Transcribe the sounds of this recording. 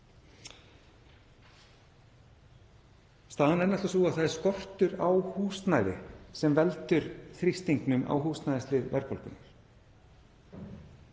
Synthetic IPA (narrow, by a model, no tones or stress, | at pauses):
st̪aːðanɛnaht̪asuːɣaθaðɛɾ̥skɔr̥t̪ʏɾaːwhust̪najðɪ̰sɛmvɛlt̪ʏɾθɾist̪iŋknʏmʔa̰ːwɦust̪najðɪst̪lɪɾvɛɾpɔlkʏnʏɾ̥